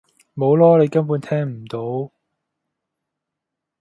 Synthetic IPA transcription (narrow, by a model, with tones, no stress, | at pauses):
mo˨˧wlɔː˥le˨˧jkɐ˥npuː˨˧nt̪ʰɛː˥ŋm̩˨˩t̪o˨˧˥w